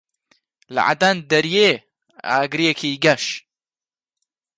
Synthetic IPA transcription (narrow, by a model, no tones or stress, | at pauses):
la̰ʕa̰d̪and̪ɐɾje | a̰ːɡɾijekʰiɡɐʃ